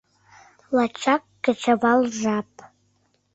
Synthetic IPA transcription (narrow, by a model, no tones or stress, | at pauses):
lat͡ʃʰak̚ʼɡ̥at͡ʃʰabalʐapʼ